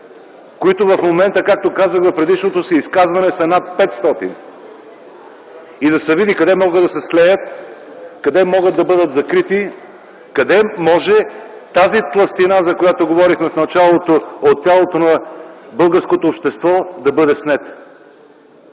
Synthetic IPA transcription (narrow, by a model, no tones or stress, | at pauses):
koit̪ovɐfmomɛnt̪əkak̚t̪okazəxvɐfpɾɛd̪iʃnot̪osiːskazvɐnɛsɐnat̪̚pɛt̪st̪ɔt̪ḭn | id̪ɐsɛvid̪ikɐd̪ɛmɔɡəd̪d̪ɐsɛslɛjət̪kɐd̪ɛmɔɡəd̪ːɐbɤd̪ət̪zɐkɾit̪i | kɐd̪ɛmɔʒɛ | t̪azit̪lˠɐst̪inazɐkojat̪oɡovɔɾixmɛfnɐt͡ʃalˠot̪oot̪ːjalˠot̪onɐbɤlˠɡəɾskot̪oːpʃt̪ɛst̪vɔd̪ɐbɤd̪ɛsnɛt̪